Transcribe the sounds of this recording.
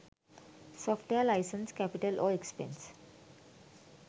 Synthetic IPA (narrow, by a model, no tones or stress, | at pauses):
sɔːfʈʋeəɾlaɪsə̃nskæpɪʈəlʔɔːekspḛ̃ns